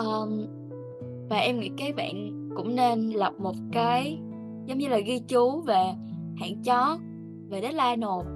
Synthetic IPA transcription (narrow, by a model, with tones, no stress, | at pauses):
ʔəː˨˩ | vaː˨˩ʔɛ˧mŋḭ˧˥kaː˨˦jɓa̰ː˧˨n | kʊ̰˧˥ŋ͡mne˧nlə˨˩p̚mo˨˩t̚kaː˨˦j | zə˨˦wŋ͡mɲɨ˧laː˨˩ɣi˧t͡ɕu˨˦ve˨˩ha̰ː˧˨nt͡ɕɔ˨˦ | ve˨˩ɗə˨˦˥t̚laː˧no˨˩t̚